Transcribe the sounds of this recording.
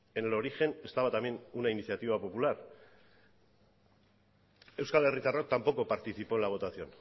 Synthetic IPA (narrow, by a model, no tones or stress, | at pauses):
enelo̞ɾixe̞ne̞st̪aβat̪amje̞nunainiθjat̪iβ̞apo̞pulaɾ | e̞wskale̞rit̪arok̚t̪ampo̞ko̞paɾt̪iθipo̞elaβ̞o̞t̪asio̞n